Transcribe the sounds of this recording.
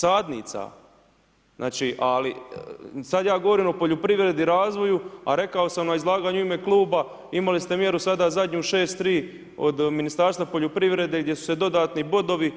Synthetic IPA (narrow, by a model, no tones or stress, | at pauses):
saːd̪nḭːt̪sa̰ | na̰ːt͡ʃiːʔali | sad̪jaːɡo̞ʋo̞ɾiːmo̞poʎopɾiʋɾe̞d̪iɾaːzʋo̞jua̰ɾe̞kao̞samnaizlˠaːɡaːɲuime̞klˠuːba | imalist̪e̞mje̞ɾusad̪aːzad̪ɲuʃeːst̪ːɾiː | o̞̰d̪minist̪aːɾst̪vapo̞ʎopɾiʋɾe̞d̪eɡd̪je̞su̥se̞d̪o̞d̪aːt̪nibo̞d̪o̞ʋi